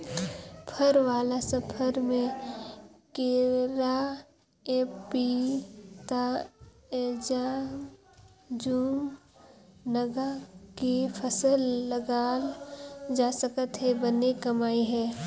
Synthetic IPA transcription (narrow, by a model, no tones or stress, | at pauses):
pʰəɾʋaːlasəpʰəɾmẽ | keːɾa | eːpi | t̪a | ed͡ʒaːm | d͡ʒuːm | nəɡakepʰəsəlːəɡaːld͡ʒaːsəkət̪ɦɛbənekəmaːiɦɛː